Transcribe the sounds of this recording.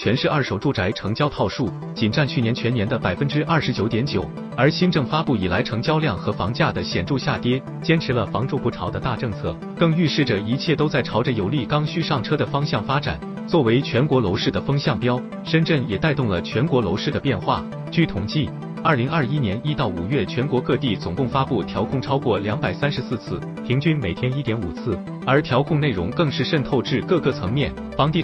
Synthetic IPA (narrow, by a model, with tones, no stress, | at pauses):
t͡ɕʰɥɛ˧˥nʂɻ̩˥˧ɐ˞˥˩ʂo˨˩ʊʈ͡ʂu˥˩ʈ͡ʂa˧˥ɪʈ͡ʂʰɤ˧˥ŋt͡ɕjɑ˥ʊt̪ʰɑ˥˧ʊʂu˥˩ | t͡ɕi˨˩nʈ͡ʂa˥˧nt͡ɕʰy˥˩njɛ˧˥nt͡ɕʰɥɛ˧˥njɛ˧˥nd̪ə˧pa˨˩ɪfə˥nʈ͡ʂɻ̩˥ʔɐ˞˥˩ʂɻ̩˧˥t͡ɕjo˧˥ʊt̪jɛ˧˥nt͡ɕjo˨˩˦ʊ | ə˞˧˥ɕi˥nʈ͡ʂɤ˥˩ŋfa˥pu˥˩i˨˩la˧˥ɪʈ͡ʂʰɤ˧˥ŋt͡ɕjɑ˥ʊljɑ˥˩ŋxɤ˧˥fɑ̰˧˥ŋt͡ɕja˥˩d̪ə˩ɕjɛ˨˩nʈ͡ʂu˥˧ɕja˥˩t̪jɛ˥ | t͡ɕjɛ˥nʈ͡ʂʰɻ̩˧˥lə˧fɑ˧˥ŋʈ͡ʂu˥˧pu˧˥ʈ͡ʂʰɑ˧˥ʊd̪ə˧t̪a˥˧ʈ͡ʂɤ˥˧ŋt͡sʰɤ̰˥˩ | kɤ˥˧ŋy˥˧ʂɻ̩˥˩ʈ͡ʂə˩i˧˥t͡ɕʰjɛ˥˩t̪o˥ʊt͡sa˥˩ɪʈ͡ʂʰɑ˧˥ʊʈ͡ʂə˧jo˨˩ʊli˥˩kɑ˥ŋɕy˥ʂɑ˥˩ŋʈ͡ʂʰɤ˥d̪ə˨˩fɑ˥ŋɕjɑ˥˩ŋfa˥ʈ͡ʂa̰˨˩˦n | t͡swɔ˥˩we˧˥ɪt͡ɕʰɥɛ˧˥nkwɔ˧˥lo˧˥ʊʂɻ̩˥˩d̪ə˩fɤ˥ŋɕjɑ˥˩ŋpjɑ˥ʊ | ʂə˥nʈ͡ʂə˥˩ŋjɛ˨˩t̪a˥˧ɪt̪ʊ˥˩ŋlə˩t͡ɕʰɥɛ˧˥nkwɔ˧˥lo˧˥ʊʂɻ̩˥˩d̪ə˩pjɛ˥˧nxwa̰˥˩ | t͡ɕy˥˩t̪ʰʊ˨˩ŋt͡ɕi˥˩ | ə˞˥˩li˧˥ŋɐ˥˧˩i˥njɛ˧˥ni˥t̪ɑ˥˩ʊṵ˨˩ɥɛ˥˩t͡ɕʰɥɛ˧˥nkwɔ˧˥kɤ˥˧t̪i˥˩t͡sʊ˨˩ŋkʊ˥˩ŋfa˥pu˥˩t̪ʰjɑ˧˥ʊkʰʊ˥˩ŋʈ͡ʂʰɑ˥ʊkwɔ˥˩ljɑ˧˥ŋpa˨˩ɪsa˥nʂɻ̩˧˥sɹ̩˥˧t͡sʰɹ̩˥˩ | pʰi˧˥ŋt͡ɕy˥nme˨˩ɪt̪ʰjɛ˥ni˥t̪jɛ˧˥nṵ˨˩t͡sʰɹ̩˥˩ | ə˞˧˥t̪ʰjɑ˧˥ʊkʰʊ˥˧ŋne˥˩ɪɻʊ̰˧˥ŋkɤ˥˧ŋʂɻ̩˥˩ʂə˥˧nt̪ʰo˥˧ʊʈ͡ʂɻ̩˥˧kɤ˥˧kɤ˥˩t͡sʰɤ˧˥ŋmjɛ˥˩n | fɑ˧˥ŋt̪i˥˩